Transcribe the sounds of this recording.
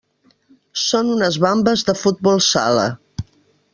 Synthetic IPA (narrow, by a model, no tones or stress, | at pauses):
sonunəzβambəzðəfut̪̚bɔlˠsa̰lə̰